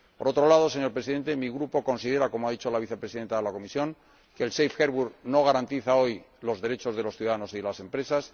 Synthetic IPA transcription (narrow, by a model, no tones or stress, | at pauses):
ppo̞ɾo̞t̪ɾo̞laðo̞se̞ɲo̞ɾpɾe̞siðe̞nt̪emiɣɾupo̞ko̞nsiðe̞ɾako̞moaðit͡ʃo̞laβiθepɾesiðe̞nt̪aðelako̞misjo̞ŋ | kelsejfxeɾβuɾno̞ɣ̞aɾant̪iθao̞j | lo̞zðe̞ɾe̞t͡ʃo̞zðe̞loθjuðaðano̞siðelase̞mpɾe̞sas